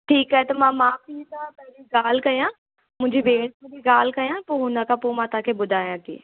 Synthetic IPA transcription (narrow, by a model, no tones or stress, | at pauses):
ʈʰiːkɦɛt̪ɐmãːmãːpiːt̪apɛːliɡaːlkɐjãː | mʊ̃ːd͡ʒibeːʈmẽdiɡaːlkɐjãːpoɦʊnãkapoːmãːt̪ãkʰebʊd̪ʱaːjãːt̪ḭː